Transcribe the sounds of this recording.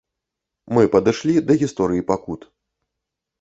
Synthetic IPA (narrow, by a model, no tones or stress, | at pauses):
mɨpɐd̪ɨʂlʲid̪ɐɣʲist̪ɔɾɨjipakut̪